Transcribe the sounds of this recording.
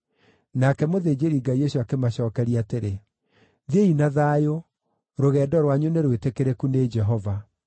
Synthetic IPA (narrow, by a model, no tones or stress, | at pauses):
nakɛmoðeːd͡ʑeɾiɡaieɕoakemaɕɔːkɛɾiateɾe | ðeinaðaːjo | ɾoɣɛːdɔɾwaɲuneɾwetekeɾekuned͡ʒɛɦɔva